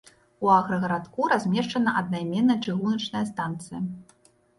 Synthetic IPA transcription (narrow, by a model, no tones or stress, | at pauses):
uaɣɾɐɣɐɾat̪kuɾazʲmʲɛʂt͡ʂɐnɐʔɐd̪najmʲɛnːɐt͡ʂɨɣunɐt͡ʂnɐjɐst̪ant̪sɨjɐ